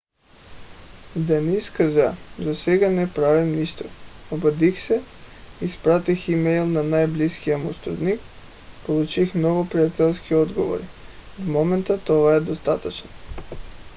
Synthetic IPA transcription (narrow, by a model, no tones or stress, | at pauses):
d̪aniskazazasɛɡanɛpɾavimniʃt̪ɔ̥obad̪ixsɛispɾat̪iximɛjlˠnanajbliskijamust̪ɾṵd̪nik | polˠut͡ʃixnɔvopɾiat̪ɛlˠskiɔd̪ɡovo̰ɾivmɔmɛnt̪at̪ɔvaɛd̪ost̪at̪at͡ʃnɔ